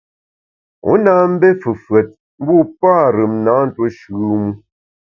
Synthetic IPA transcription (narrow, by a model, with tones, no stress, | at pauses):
ṵ˨˦na˦m̩˦be˦fɨ˨fɰɛ˨t̚ | m̩˦bu˦paː˦˨ɾɨ˨mna˨˦n̩˦˨two˦ʃʉ˨˦mu˦